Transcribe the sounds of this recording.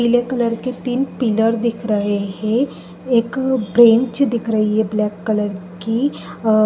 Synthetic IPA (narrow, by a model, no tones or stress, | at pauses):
ilekələɾket̪iːnpiləɾd̪ɪkʰɾəɦeɦẽ | eːkbɾẽɲt͡ʃd̪ɪkʰɾəɦiɦɛblɛːkːələɾki